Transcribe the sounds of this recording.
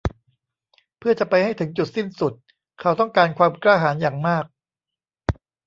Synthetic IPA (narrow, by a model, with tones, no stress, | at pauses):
pʰɯ˥˩ɐt͡ɕa˨˩pa˧jha˥˩jt̪ʰɯ˩˦ŋt͡ɕu˨˩t̪̚si˥˩nsu˨˩t̪̚ | kʰa˦˥˩wt̪ɔ˥˩ŋkaː˧nkʰwaː˧mklaː˥˩ɦaː˩˦njaː˨˩ŋmaː˥˩k̚